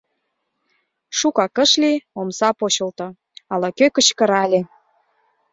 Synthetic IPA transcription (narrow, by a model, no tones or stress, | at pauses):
ʃukɑkə̆ʃliomsɑpoɕə̆lt̪o | ɑlɑkøkə̆t͡ɕkə̆ɾɑlʲe